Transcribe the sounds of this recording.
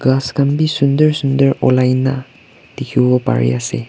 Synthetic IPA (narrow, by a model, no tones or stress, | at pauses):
ɡaskanbisundəɹsundəɹɔlajna | d̥ekʰibbɔpa̰ɹḭasɛ̰